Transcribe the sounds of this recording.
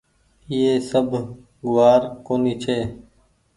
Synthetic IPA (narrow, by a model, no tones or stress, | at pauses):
iːɦeːsəbʱ | ɡʊʋaːɾkoːniːt͡ʃʰeː